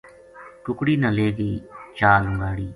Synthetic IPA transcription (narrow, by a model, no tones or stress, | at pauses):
ʈʊkɽiːnaːleːɡiːt͡ʃaːlʊŋɡaːɽiː